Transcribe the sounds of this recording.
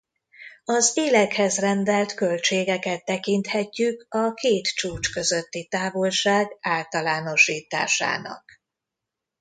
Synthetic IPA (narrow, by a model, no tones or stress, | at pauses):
ɒzeːlɛkhɛzrɛnd̪ɛlt̪kø̞lt͡ʃeːɡɛkɛt̪ːɛkint̪hɛcːykɒkeːt̪t͡ʃuːt͡ʃkø̞zøt̪ːit̪aːvo̞lʃaːɡaːlt̪ɒlaːno̞ʃiːt̪a̰ːʃa̰ːnɒ̰k